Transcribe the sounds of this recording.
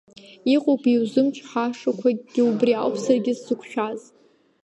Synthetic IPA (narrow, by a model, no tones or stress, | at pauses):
iqʷʼopʰiwzɨmt͡ʃʰʼħaʂakʷʰaɡ̥ʲɪubrialpʰsarɡʲɪzzɨkʷʰʃᶣaz